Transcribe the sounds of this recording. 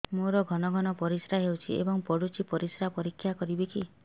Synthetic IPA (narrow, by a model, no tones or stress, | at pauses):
moɾɔɡʱɔnɔɡʱɔnɔpɔɾisɾaɦewt͡ʃʰḭḛbɔŋpɔɽut͡ʃipɔɾisɾapɔɾikʰːjakɔɾibiki